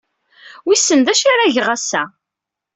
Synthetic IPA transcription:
wisːənd̪æʃaɾaʝʁæsːæ

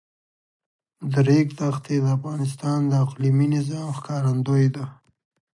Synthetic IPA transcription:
d̪əɾekt̪axt̪ed̪əafɣɑnɪs̬t̪ɑnd̪əaqliminɪzɑmxkɑɾand̪ojd̪a

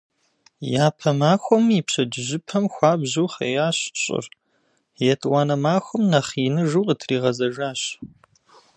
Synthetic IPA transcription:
jaːpʰɐmaːxʷɔmipɕɐd͡ʒɪʑɪpʰɐmxʷɑːbʑuwχejaːɕɕʼɪ̰r | jɛtʰʼwɑːnɐmaːxʷɔmnɐχinɨʒuwqʼətʰriːʁɐzɐʒaːɕ

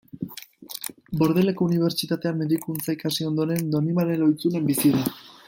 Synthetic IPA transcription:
bo̞ɾðe̞le̞ko̞uniβ̞e̞ɾt͡ʃit̪at̪e̞amːe̞ðikunt͡saekasio̞nd̪o̞ɾe̞nd̪o̞nimale̞lo̞jt͡sune̞mbisiða

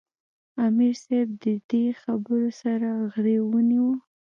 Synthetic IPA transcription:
amiɾseb̚d̪əd̪exabəɾosaɾaɣɾewəniwə

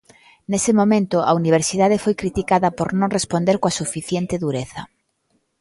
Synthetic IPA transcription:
nesɪmõmẽnt̪ʊa̰uniβ̞eɾsiðaðefojkɾit̪ikaðɐpoɾnõŋrespond̪eɾkoasufiθjent̪ɪðuɾeθɐ

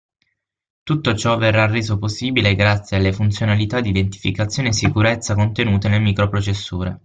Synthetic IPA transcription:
t̪ut̪ːot͡ʃɔverːarːeːzoposːiːbileɡɾat̪sjealːefunt̪sjonalit̪ad̪id̪ent̪i̥fikat̪sjoːniesːikuɾet̪sːakont̪enuːt̪enelmiːkɾopɾot͡ʃesːuːɾḛ

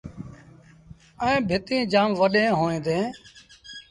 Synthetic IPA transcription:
əẽːbʱɪt̪ĩːd͡ʒaːmʋəɗẽːɦoːẽːd̪ẽː

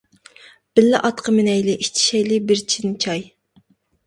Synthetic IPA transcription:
b̥ɪlːɪʔɑt̪qʰəmɪnɛjlɪʔiʃt͡ʃʰi̥ʃɛjlɪbɪɾt͡ʃʰinɪt͡ʃʰɑj

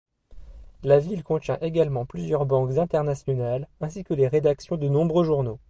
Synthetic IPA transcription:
lavilkɔ̃t̪jɛ̃ʔeɡalmɑ̃plyzjœʁbɑ̃kzɛ̃t̪ɛʁnasjɔnalɛ̃sikəleʁed̪aksjɔ̃d̪ənɔ̃bʁøʒuʁno

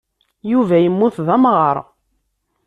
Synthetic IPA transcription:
juvæjəmːuθðæmʁəɾˤ

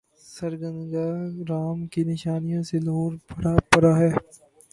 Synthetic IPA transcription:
sɐɾɡə̃nɡaɾaːmkinɪʃaːnijõselɐɦoːɾpɐɾapɐɾaɦɛː

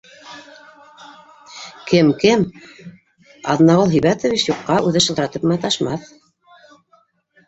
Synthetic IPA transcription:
kɘmkɘm | ɑ̰ðnɑʁɤlˠɦijβæt̪ŏvit͡ɕjuqːɑʔʉðɘʃɤ̆t̪ɤɾɑt̪ɤpmɘæt̪ɑʃmɑθ

